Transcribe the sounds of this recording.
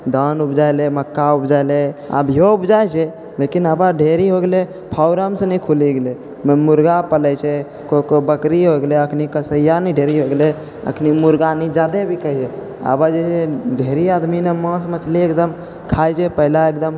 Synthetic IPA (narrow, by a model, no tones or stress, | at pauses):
d̪anupd͡ʒajleməkːaupd͡ʒaelea̰bijoupd͡ʒajt͡ʃʰɛ | lekinəbaɖʱeɾiɦoɡele | pʰaʊɾəmsənɛkʰuliɡele | mmuɾɡapəlɛt͡ʃʰɛ | kokobəkɾiɦoɡeleəkʰnikəsəjanɛɖʱeɾiɦoɡle | ə̰kʰnimuɾɡanid͡ʒad̪ebʱikəɦid͡ʒʰɛ | ə̰bad͡ʒɛt͡ʃʰeɖʱeɾiad̪minemə̃smət͡ʃleekd̪əm | kʰajd͡ʒɛpəɦilaek̚d̪əm